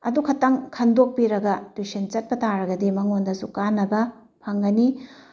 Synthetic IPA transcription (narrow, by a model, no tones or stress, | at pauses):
ɐ̰dukʰɐtːɐŋkʰɐndok̚piɾɐɡɐtwisint͡ʃɐt̚pɐtʰaɾɐɡɐdimɐŋondɐsukanːɐbɐ | pʰɐŋɡɐni